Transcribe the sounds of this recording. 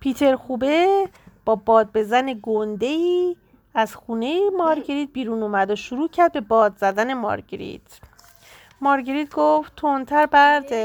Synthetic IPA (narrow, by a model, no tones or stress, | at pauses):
pʰiːt̪ʰe̞ɾxuːbeb̥ɒːbɒːd̪̚be̞zæne̞ɡond̪e̞iː | æzxuːne̞jemɒːɾɟeɾiːt̪̚biːɾuːnumæd̪oʃuɾuːcʰæɾd̪̚be̞bɒːd̪zæd̪æne̞mɒ̰ɾɟeɾḭt̪ʰ | mɒːɾɟeɾiːt̪̚ɡoft̪ʰont̪ʰæɾbæɾd̪e